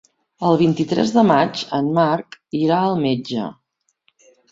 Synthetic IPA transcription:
əlˠβint̪it̪ɾɛ̰zðəmad͡ʒənmaɾkiɾaəlˠmed͡ʒə̰

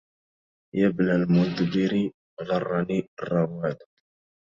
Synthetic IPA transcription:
jabnalmʊnt̪bɪɾi | ɣɑrˤːɑnirˤːɑwad̪

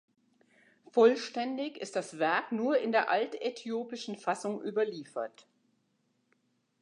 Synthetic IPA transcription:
fɔlʃtɛndɪçɪ̰st̚d̥asv̥ɛɐknuːɐɪndeːɐʔaltetʰjoːpɪʃn̩fasʊŋʔyːbɐliːfɐt

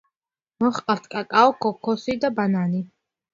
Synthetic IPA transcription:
mɔχqʼaɾt̪ʰkʼakʼaɔkʰɔkʰɔsid̪abanani

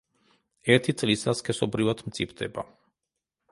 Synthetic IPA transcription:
ɛɾt̪ʰit̪sʼlisaskʰɛsɔbɾivad̪mt̪sʰʼipʰd̪ɛba̰

